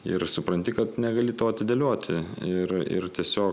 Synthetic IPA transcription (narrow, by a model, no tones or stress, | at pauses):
ɪɾsʊpɾɐnʲt̪ʲɪkɐt̪nʲɛɡɐlʲɪt̪oːɐt̪ʲɪd̪ʲɛlʲoɔt̪ʲʰɪɪrɪ̰ɾt̪ʲiɛsʲoːk